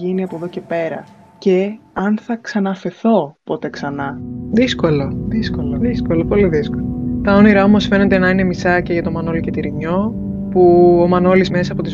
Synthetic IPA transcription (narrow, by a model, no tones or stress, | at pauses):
iniɐpoðo̞ce̞pe̞ɾɐ̰ | ce̞ɐnθɐksɐnɐfe̞θo̞po̞t̪e̞ksɐnɐðisko̞loðiskoloðisko̞lopo̞liðiskolot̪ɐo̞niɾɐo̞mo̞sfe̞ne̞t̪enɐine̞misɐceʝɐt̪o̞mɐno̞lice̞t̪iɾiɲo̞ | puomɐno̞lizme̞sɐːpo̞t̪iz